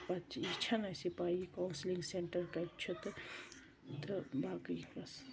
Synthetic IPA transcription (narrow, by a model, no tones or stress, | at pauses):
pɐt͡ʃit͡ʃʰɐnɐsipaːikawnsliŋɡseɳʈɐɾkɐt͡ʃʰut̪ | t̪baːkəjbɐs